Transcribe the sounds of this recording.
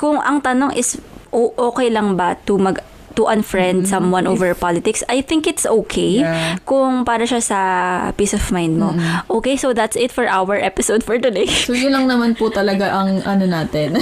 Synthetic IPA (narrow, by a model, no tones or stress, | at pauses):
kʊŋʔɐŋt̪ɐnoŋʔɪsʔoʔoːkɛjlɐŋbɐt̪ʊmɐɡ | t̪ʊʔɐ̃nfɹɛnd̪̚sɐmwɐ̃nʔovɛɹpalɪt̪ɪksɐjθɪ̃ŋkɪt̪sʔoːkʰejkʊŋpaːɾɐʃasɐpiːsɔvmajnd̪̚moʔoːkejsoðɐt̪sɪt̪fɔɹʔawɛɹʔɛpɪsowd̪̚fɔɹt̪ʊd̪ejsojʊlɐŋnɐmanpʊt̪ɐlɐɡaʔɐŋʔɐnonaːt̪ɪn